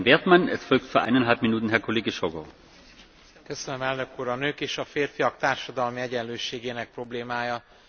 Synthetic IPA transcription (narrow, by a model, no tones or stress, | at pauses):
nveːɐt̪manɛ̰sfɔlk̚tfyːɐʔa̰ɪnɛnɦalpminuːt̪n̩ɦɛɐkʰoleːɡəʃoɡɔ̰ | køsønømɛlnø̞kuːɾɒnøːkeːʃɒfeːrfijɒk̚t̪aːrʃɒd̪ɒlmiɛɟɛnløːʃeːɡeːnɛk̚pro̞bleːmaːjɒ